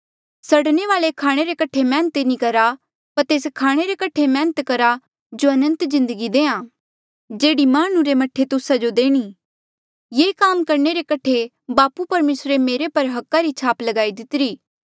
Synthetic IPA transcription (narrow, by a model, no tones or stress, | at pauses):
sɐɽneʋaːɭekʰaːɽ̃eɾekɐʈʰemɛ̃ːnət̪enikɐɾa | pɐɾt̪eːskʰaːɽ̃eɾekɐʈʰemɛ̃ːnət̪kɐɾa | d͡ʒoɐnə̃nt̪zɪ̃nd̪əɡid̪ẽːãː | d͡ʒeːɽimaːɽ̃ũɾemɐʈʰːet̪ʊsad͡ʒod̪eːɽ̃iː | jeːkaːmkɐɾɳeɾekɐʈʰe | baːpupɐɾmeːsɾemeːɾepɐɾɦɐkːaɾit͡ʃʰaːplɐɡaːid̪ɪt̪ɪɾiː